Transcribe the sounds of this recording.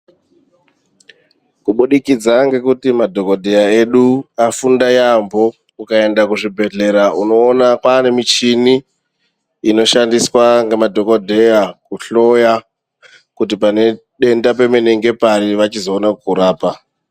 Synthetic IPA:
kuɓuɗikid͡zaŋɡe̞kutimadʱo̞ko̞dʱe̞jae̞ɗuafundajambo̞ | kukae̞ndakuʐibʱe̞ɮe̞ɾauno̞ːnakwane̞mit͡ʃiniː | no̞ʃandiswaŋɡemadʱo̞kodʱe̞jakuɬo̞ja | kutipane̞ | ɗe̞ndap̬e̞meneŋɡe̞paɾiʋat͡ʃizo̞ːnakuɾaːpa

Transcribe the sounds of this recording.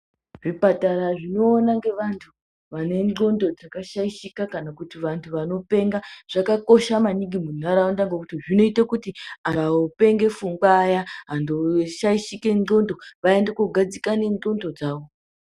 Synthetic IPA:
ʐipataɾaʐino̞ːnaŋɡe̞ʋantʰu | ʋane̞nd͡ɮo̞ndo̞d͡zakaʃaiʃikakanakutiʋantʰuʋano̞pe̞ŋɡaʐ̥akako̞ʃamaniɡimun̤aɾaondaŋɡekutiʐino̞itakutiaaope̞ŋɡe̞fuŋɡwaːjaɦandoʃaiʃike̞no̞ndo̞ʋaendekuɡʱad͡zikane̞ɡo̞ndo̞d͡zaːʋo̞

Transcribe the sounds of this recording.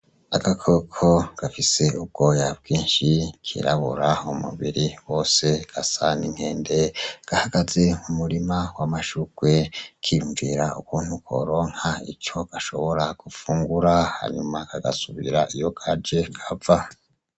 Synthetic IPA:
aɡakʰo̞kʰo̞ɡ̥afise̞ub̚ɡo̞jab̚ɡiːnʃikʰḭɾaβṵɾaumṵβiɾiwo̞ːse̞ɡ̥asaniŋhe̞ːnde̞ɡ̥ahaɡ̥aze̞mumuɾimawamaʃuɡwe̞kʰijuɱviɾaṵkuːnhukwo̞̰ɾo̞ːŋ̥haḭt͡ʃo̞ɡ̥aʃo̞̰βo̞ɾaɡ̥ufuːŋɡuɾaha̰ɲumakʰaɡa̰suβḭɾaʔijo̞ɡʰad͡ʒe̞kʰava

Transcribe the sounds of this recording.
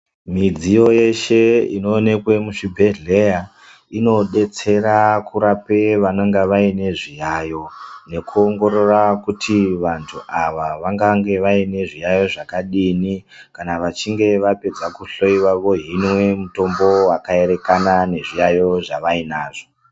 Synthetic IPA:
mid͡zijo̞je̞ʃe̞ino̞ːne̞kwe̞muʂibʱeɮe̞ja | ino̞ɗe̞t͡se̞ɾakuɾape̞ʋanoŋɡeʋaine̞ʐijajo̞ne̞kuoŋɡo̞ɾo̞rakutʰiʋantʰuʔaʋaʋaŋɡaŋɡe̞ʋaine̞ʐijajo̞ʐakaɗini | kanaʋat͡ʃiŋɡe̞ʋape̞d͡zakuɬoiwaʋo̞ɦinwe̞muto̞mbo̞wakae̞ɾe̞kanane̞ʐijajo̞ʐaʋainaːʐo

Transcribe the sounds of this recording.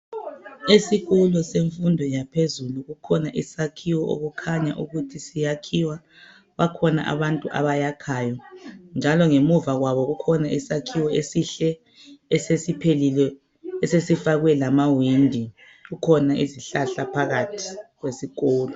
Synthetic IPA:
esiɣulɔseɱfundʱɔjapʰezuluɣukʰɔnaʔisakʰiwɔʔo̰ɣukʰaɲaʔuɣutʰisijakʰiwa | wakʰɔna̰ʔa̰βantʼuʔa̰βajakʰaːjɔnd͡ʒʱalɔŋemuvaɣwaβɔɣukʰɔnaʔisakʰiwɔesiɬɛ | ɛsesipʰelilɛː | sesifaɣwɛlamawindʱi | ɣukʰɔnaʔiziɬaɬapʰaɣatʰi̥ɣwesiɣɔːlɔ

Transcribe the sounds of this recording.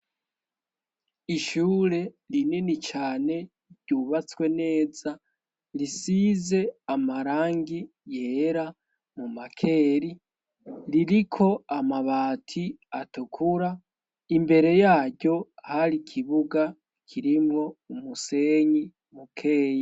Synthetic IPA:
iʃuːɾe̞ | ɾininit͡ʃaːne̞ | ɾɟuβat͡swe̞ne̞ːza | ɾisize̞amaɾaːŋɡi | je̞ɾa | mumakʰe̞ːɾi | ɾiɾikʰo̞amaβaːtʰi | atukʰuɾa | imbe̞ɾe̞jaːɟo̞haɾikʰiβuɡa | kʰiɾimŋo̞umuse̞ɲi | mukʰe̞ːja

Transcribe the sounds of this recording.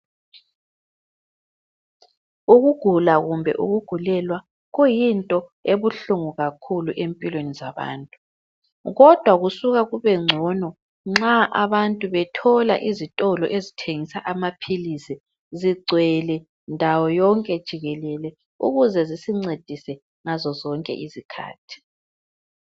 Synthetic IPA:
uɣuɡ̥ʱulaɣumbʱɛ̰ʔṵɣuɡ̥ʱulɛlwa | ɣujintʼɔeβuɬuŋuɣakʰuluʔempʼilwenizaβa̰ːntʼu̥ | ɣɔd̥ʱwaɣusuɣaɣuβɛŋ͡ǀʱɔnɔ | ŋ͡ǁaʔaβantʼuβɛtʰɔla̰ʔizitʼɔlɔ̰ʔezitʰeŋisaʔamapʰilisi | ziɡ͡ǀʱwɛlɛ | ndʱawɔjɔŋkʼɛd̥ʒ̥ʱiɣɛlɛlɛ | ṵɣuzɛzisiŋ͡ǀed̥ʱisɛ | ŋazɔzɔŋkʼɛ̰ʔizikʰa̰ːtʰi̥

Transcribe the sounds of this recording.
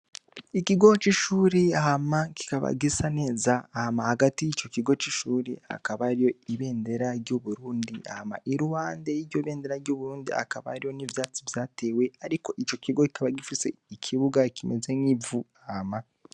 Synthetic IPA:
ikiɡo̞t͡ʃiʃuːɾeahamaki̥kaβa̰ɡisane̞ːzaahamahaɡatijit͡ʃo̞kiɡo̞t͡ʃiʃuːɾea̰kaβaɾijo̞iβe̞ːnde̞ɾaɾɟoβuɾuːndia̰hama̰ʔiɾuhaːndejiɾɟoiβe̞ːnde̞ɾaɾɟoːβuɾuːndia̰kaβa̰ɾijo̞nivjaːt͡sivjaːte̞we̞aɾiko̞ʔit͡ʃo̞kiɡo̞ki̥kʰaβaɡifise̞̰ikʰiβuɡakʰimeze̞ŋivuahama

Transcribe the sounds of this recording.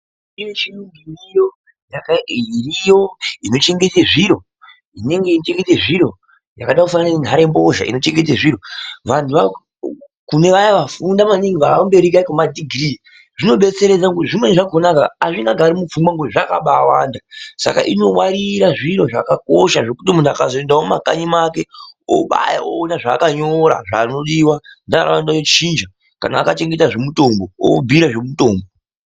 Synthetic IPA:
imet͡ʃinuŋɡiijo̞ | jakairijo̞ino̞t͡ʃe̞ŋɡe̞teʐiɾo̞ | ine̞ŋɡe̞it͡ʃe̞ŋɡe̞teʐiɾo̞ | ja̰kaɗakufanananenɦaɾembo̞ʒa̰ḭno̞t͡ʃe̞ŋɡe̞t̬eʐiɾo̞ʋantʰuʋa | kune̞ʋajaʋafundamaniŋɡʋaaumbe̞ɾikaikomadʱiɡʱriː | ʐino̞ɓe̞t͡se̞ɾe̞d͡zaɡuiʐimwe̞ʐaɡʱonakaːʐiŋɡaɡʱaɾimufuŋbwaŋɡoʐaka̰ɓawaːndasa̰ka̰ʔino̞waɾiɾaʐiɾo̞ʐakakoʃaʐe̞kutimunakazoendaomakaɲimake̞o̰ɓa̰ja̰oːnaʐaːkaɲoɾa̰ʐaːno̞ɗiwandaa̰ra̰wandaot͡ʃind͡ʒa | ka̰na̰ːkat͡ʃe̞ŋɡetaʐe̞muto̞mbo̞o̰bʱiɾaʐe̞muto̞ːmbo

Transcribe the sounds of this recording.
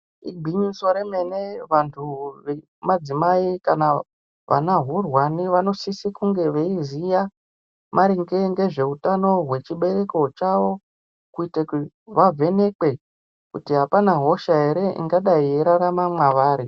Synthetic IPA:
ḭɡ͡bʱiɲuso̞ɾeme̞neʋantʰuʋe | mad͡zimaikana | ʋʔa̰naɦurwaniʋano̞sisikuŋɡe̞ʋeizija | mʔaɾiŋɡe̞ŋɡe̞ʐe̞utano̞ɦwe̞t͡ʃiɓe̞ɾe̞ko̞t͡ʃaʋo̞ | kuitek | ʋave̞ne̞kwe̞ | kutiɦapanaɦo̞ʃae̞ɾe̞ʔḭŋɡaɗaieɾaɾamamwaʋaːɾi

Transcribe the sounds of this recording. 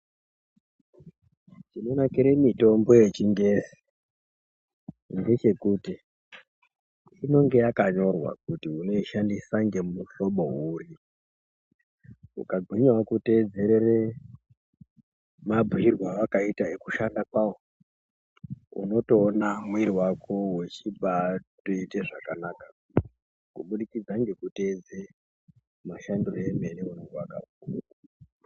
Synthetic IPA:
t͡ʃino̞nakiɾemito̞mbo̞je̞t͡ʃiŋɡe̞si̥ | nde̞t͡ʃe̞kuti | ino̞ŋɡe̞jakaɲo̞rwa̰kutiuno̞iʃandisaŋɡe̞mumuɬo̞ɓo̞ɦuri | ṵkaɡʱwiɲawakute̞d͡zeɾere | mabʱuirwaʋakaitaekuʃandakwawo | ṵno̞to̞ːnamwiɾiwakʰowe̞t͡ʃiɓatoiteʐakanaːkḁ | kuɓuɗikid͡zaŋɡe̞kute̞d͡ze | maʃandiroe̞me̞niunoŋɡewaka̰bukaa

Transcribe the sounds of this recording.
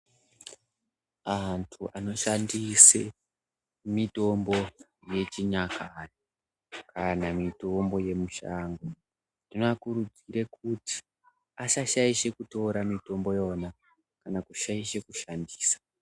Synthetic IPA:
antʰuʔano̞ʃandise | mito̞mbo | je̞t͡ʃiɲakajo | kʰanamito̞mbo̞je̞muʃaːŋɡo | tinoakuɾud͡ziɾekuti̥ | aʃaʃaiʃe̞kuto̞ɾamito̞mbo̞jo̞na | kanakuʃaiʃe̞kuʃandiːsḁ

